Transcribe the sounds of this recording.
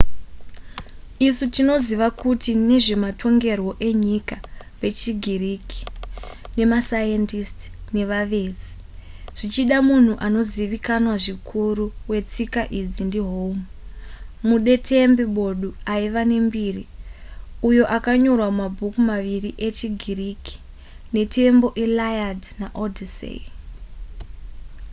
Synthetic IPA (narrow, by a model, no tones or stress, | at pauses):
isutino̞ziʋakutine̞ʐe̞matʰo̞ŋɡe̞rwo̞ʔe̞ɲika | ʋe̞t͡ʃiɡʱiriki̥ | ne̞masajentistne̞ʋaʋe̞ːd͡zi̥ | ʐ̥it͡ʃiɗamun̤uʔano̞ziʋikanwaʐikʰuruwe̞t͡sikaʔid͡zindiɦomu | muɗe̞tʰe̞mbiɓo̞ɗuaiʋane̞mbiri | ujo̞ʔakaɲo̞rwamabʱukumaʋiriʔe̞t͡ʃiɡʱiriki̥ | ne̞tʰe̞mbo̞ʔelajadnaʔodʱisḛi